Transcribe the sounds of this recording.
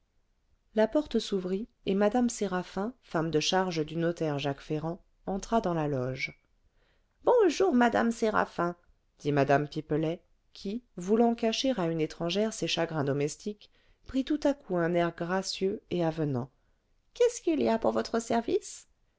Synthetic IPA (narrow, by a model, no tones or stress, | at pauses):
lapɔʁt̪əsuvʁi | emad̪amseʁafɛ̃famd̪əʃaʁʒəd̪ynɔt̪ɛʁʒakfeʁɑ̃ | ɑ̃t̪χad̪ɑ̃lalɔʒ | bɔ̃ʒuʁmad̪a̰mseʁa̰fɛ̃ | d̪̥imad̪ampiplɛ | kʲʰivulɑ̃kaʃeʁaynet̪χɑ̃ʒɛʁseʃaɡʁɛ̃d̪ɔmɛst̪ik | pχit̪ut̪akʰuɛ̃nɛʁɡʁasjøeavənɑ̰̃ | kʲɛskiliapuʁvɔt̪χəsɛʁvis